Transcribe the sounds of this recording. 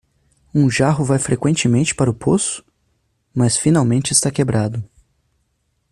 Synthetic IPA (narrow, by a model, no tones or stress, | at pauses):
ũʒaɦʊvajfɾʔekwẽnt͡ʃɪmẽnt͡ʃɪ̥paɾɐʊpʰosʊ̥ | mɐsfinawmẽnt͡ʃɪɪst̪akebɾad̪ʊ